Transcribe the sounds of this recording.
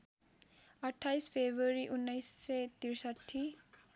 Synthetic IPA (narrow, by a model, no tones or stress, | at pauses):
ʌʈʰːajspʰebɾoɾiʔunːʌjsːʌjt̪iɾsʌʈʰːi